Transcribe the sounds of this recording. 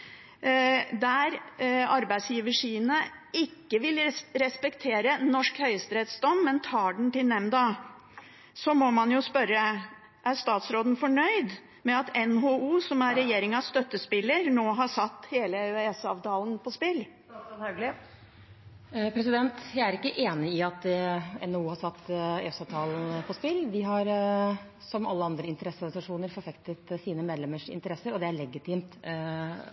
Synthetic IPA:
d̪æɾɑɾbæɪsjiːʋəʂiːənəɪkːəʋɪlɾɛspɛkt̪ʰeːɾənɔʂkhœʏəst̪ɾɛt̪sd̪ɔmːɛnt̪ʰɑːɖɳ̩t̪ɪlnɛmd̪ɑ | sɔmɔmɑnjʊspœɾːə | ʔæɾʂt̪ɑːt̪sɾoːd̪n̩fɔɳœʏd̪ | mɛɑt̪ɛnɦoːuːsɔmæɾɛjeːɾɪŋɑst̪œt̪ːəspɪlːəɾnoːɦɑʂɑt̪ːheːləɛsɑʋt̪ɑːln̩pʰɔspɪlː | nhɑɡlɪ | pʰɾɛsɪd̪ɛnt̪jæɪæɾɪkːəʔeːnɪɪɑt̪ɛ̰nɛuːhɑsɑt̪ːɛsɑʋt̪ʰɑːln̩pʰɔspɪlːʋ̪ɪɦɑɾ | sɔmɑlːəɑnd̪ɾəɪnt̪əɾɛsːəɔɾɡnsɑʂuːnəɾfɔɾfɛkt̪ət̪siːnəmeːd̪lɛməʂɪ̰nt̪əɾɛsːəɾɔd̪ɛæɭɛɡɪt̪ʰiːmt̪

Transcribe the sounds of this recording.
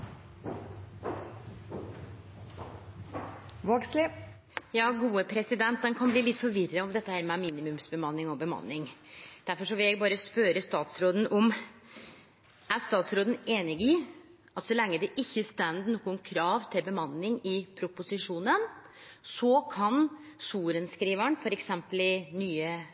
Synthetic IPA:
ʋoːɡslɪ | jɑːɡuːəpʰɾɛsɪd̪ɛnt̪̚d̪ɛnkʰɑnbliːlɪt̪ːfɔɾʋɪrəɔmd̪ɛt̪ːəhæːɾmɛmiːnɪmʉmsbəmɑnːɪŋɔbəmɑ̰nːɪŋd̪̥æɾfɔʂɔʋɪljæɪɡbɑːɾəspøːɾəst̪ɑːt̪sɾoːd̪n̩ʔɔm | æɾst̪ɑːt̪sɾoːd̪ən̩eːnɪɡɪ | ɑt̪sɔlɛŋːəd̪ɛʔɪçːəst̪ɛnd̪nɔːkʊnkʰɾɑːʋt̪ʰɪlbəmɑnːɪŋɪpʰɾʊpʊsɪʂuːnən | sɔkʰɑnsuːɾənskɾiːʋəɳfɔɾɛksɛmpəlɪnyːə

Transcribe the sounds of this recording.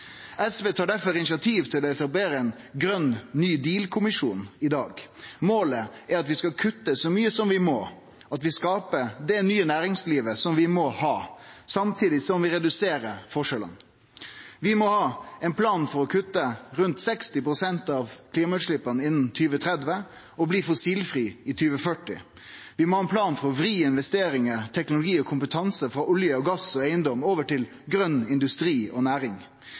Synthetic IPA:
ɛsʋeːt̪ʰɑːɖæɾfɔɾɪnɪsɑt̪ʰiːʋt̪ʰɪlɔɛt̪ɑb̪eːɾəɛn | ɡɾœnːnyːd̪iːlkʰʊmɪʂṵːnɪd̪ɑːɡmoːləæɾɑt̪ʋɪskɑkʰʉt̪ːəsɔmyːəsɔmʋɪmɔ | ɑt̪ʋɪskɑːpəd̪ɛnyːənæːɾɪŋsliːʋəsɔmʋɪmɔhɑːsɑmt̪ʰiːd̪ɪsɔmʋɪɾɛd̪ʉseːɾəfɔʂələ̰n | ʋɪmɔhɑːɛɪnpʰlɑːnfɔɾɔkʰʉt̪ːəɾʉnt̪sɛkst̪ɪpɾʊsɛnt̪ɑʋkʰliːmɑʉt̪ʂlɪpːɑnəɪnːn̩t̪ʰyːʋət̪ʰɾɛd̪ʋə | ɔbliːfɔsiːlfɾiːɪt̪ʰyːʋəfœʈːɪ̰ | ʋɪmɔhɑːɛnpʰlɑːnfɔɾɔʋɾiːɪnʋɛst̪eːɾɪŋəɾʈ̪ʰɛknʊlʊɡiːɔkʰʊmpət̪ʰɑnsəfɾɑːʔʊljəɔɡɑsɔæɪənd̪ɔmoːʋəʈɪl | ɡɾœnːɪnd̪ʉst̪ɾiːɔnæːɾɪŋ

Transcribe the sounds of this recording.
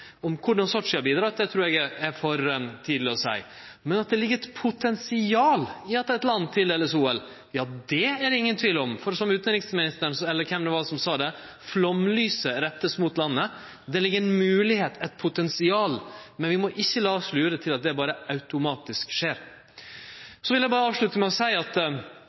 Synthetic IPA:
ɔmkʰʊɖɑnsɔʈʂɪɑbiːd̪ɾɑt̪̚d̪ɛt̪ʰɾuːɾɛɡɛæɾfɔɾt̪ʰiːd̪lɪɔsæ̰ɪ | mɛnɑt̪̚d̪ɛlɪɡəɾɛt̪pʰʊt̪ʰɛnsɪɑːlɪɑt̪ɛɪt̪lɑnːt̪ʰɪlɛləsuːɛl | jɑːd̪ɛæɾɪŋːənt̪ʰʋiːləɔmfɔɾsɔmʉːt̪nɾɪŋsmɪnɪst̪ənsɛlːəɾkʰɛmd̪ɛʋɑsɔmsɑːd̪ɛ | flɔmlyːsəɾɛt̪ːəsmʊt̪lɑnːə | d̪ɛlɪɡːəɾɛnmʉːlɪheːt̪ɛt̪̚pʰʊt̪ɛnsɪɑːlmɛnʋɪmɔʔɪçːəlɑːʂlʉːɾət̪ʰɪlɑt̪̚d̪ɛbɑːɾəɑʉt̪ʊmɑːt̪ɪskʂeːɾ | sɔʋɪljæɪbɑːɾəɑːʋʂɭʉt̪əmæɪɔsæɪɑt̪

